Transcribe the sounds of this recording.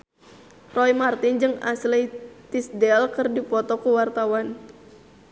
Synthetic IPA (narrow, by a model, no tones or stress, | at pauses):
rɔjmart̪ind͡ʒɨŋa̰slit̪isdɛlkɨrdipɔt̪ɔkuwart̪awan